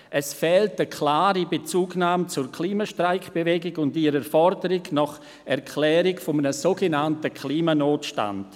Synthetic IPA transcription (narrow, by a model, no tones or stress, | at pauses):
ʔɛsfɛːltəkʰlaːɾibet͡suːɡnaːmt͡sʊɾkʰliːmaʃtraɪkb̥evɛɡɪɡʊndiɾəfɔɾdəɾɪɡnɔχ | ɛɾkʰlɛːɾɪkfɔmənəsoɡenantəkʰliːmanoːtʃta̰nd̥